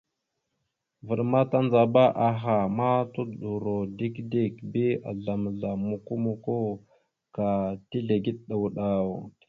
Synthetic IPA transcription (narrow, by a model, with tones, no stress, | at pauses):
və˨ɗma˦ta˦nd͡za˨ba˦ʔa˨ɦa˨ma˦tu˦dɗu˨ɾo˨di˦kdi˦˨kbi˦a̰˨ɮa˨m˨ɮa˨mu˨ku˦mu˨ko˦ | ka˨ti˦ɮe˨ɡi˦ɗ̚ɗa˨wu˨ɗa˨o˨